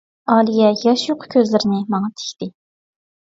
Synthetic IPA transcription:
ɑːlijɛjɑʃjoqʰʊ̥kʲʰøzlɪɾɪnɪmɑŋɑt̪ʰe̥kʲt̪ɪ

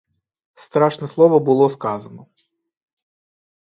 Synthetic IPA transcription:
st̪ɾɑʃnɛslˠɔʋɔbʊlˠɔskɑzɐnɔ

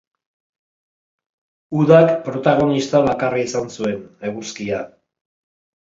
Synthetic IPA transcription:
uðakpɾo̞t̪aɣ̞o̞nist̪aβakaraisansue̞ne̞ɣuskia

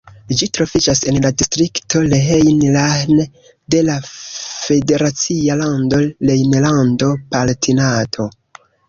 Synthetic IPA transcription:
d͡ʒitɾo̞fid͡ʒase̞nladistɾikto̞leɦejnlan | de̞lafe̞de̞ɾat͡sialando̞lejnlando̞paltʰinatʰo̞

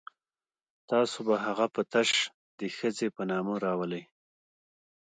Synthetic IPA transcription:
t̪ɑsobaɦaɣapət̪aʃ | d̪əxəzepənɑməɾɑwələj

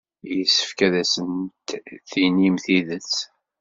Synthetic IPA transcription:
jəsːə̥fkæðæsənt̪θinimθiðət͡s

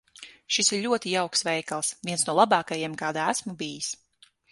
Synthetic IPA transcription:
ʃisiɾʎʲuɔt̪ijawksvɛjkalˠsvʲiɛnsnuɔlˠabɑːkajiɛmkaːd̪aæsmubijis

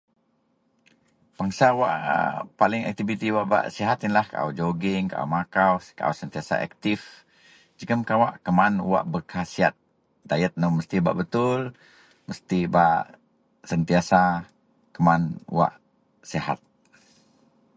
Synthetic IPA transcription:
b̥aŋsawaʔpalɪŋɛ̰k̚t̪ivit̪iwaʔba̰ʔsiɦat̪inlahkaʔa̰d͡ʒoɡɪŋka̰ʔa̰wmakawskaʔa̰wsənt̪iasa̰ʔɛ̰k̚t̪ɪf | d͡ʒəkəmkawaʔkəmanṵwa̰ʔbərkasiat̪̚ | dajət̪̚nəməst̪iba̰ʔbət̪ʊl | məst̪iba̰ʔ | sənt̪iasa | kəmanṵwa̰ʔ | siɦa̰t̪̚

